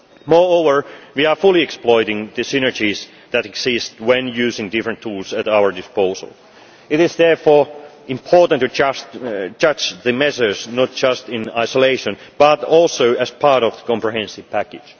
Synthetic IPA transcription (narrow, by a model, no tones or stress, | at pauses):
mɔɹoʊvə˞wiəfʊlˠiɛksplɔɪɾɪ̃ŋðɨsɪnə˞d͡ʒiz | ðætɛɡsɪstwɛ̃njʉːsɪ̃ŋdɪfɹə̃ntʰuːlˠsætaʊə˞dɪspoʊsə̰l̩ˠ | ɪtɾɪzðɛɹfɔː | ɪ̃mpʰɔɹtntɨ | d͡ʒʌd͡ʒðɨmɛsə˞snɔt̚d̥d͡ʒ̥ʌstɪ̃naɪsəleɪʃə̃nb̥ʌtɔlˠsoʊʔæspʰɑɹɾɔvðəkʰɔ̃mpɹɨɦɛ̃nsɪv̥pʰækɪ̥d͡ʒ̥